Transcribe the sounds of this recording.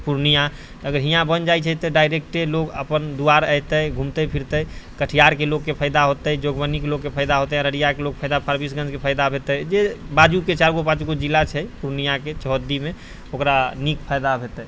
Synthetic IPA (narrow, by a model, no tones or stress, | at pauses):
puɾnija | əɡəɾɦijãbənd͡ʒajt͡ʃʰət̪ɔɖajɾek̚ʈelokə̰pənd̪uaɾəjt̪əjɡʱũmt̪əpʰiɾt̪əjkəʈʰijaɾkelokːepʰəjd̪aɦot̪əd͡ʒoɡbənikelokːepʰəjd̪aɦot̪əaɾəɽijakelok̚pʰəjd̪apʰəɾbisɡə̃nd͡ʒkepʰəjd̪abʱet̪əjd͡ʒebad͡ʒuket͡ʃaɾɡopãt͡ʃɡod͡ʒilːat͡ʃʰəpuɾnijaket͡ʃəɦd̪ime | okɾanikpʰəjd̪abʱet̪əj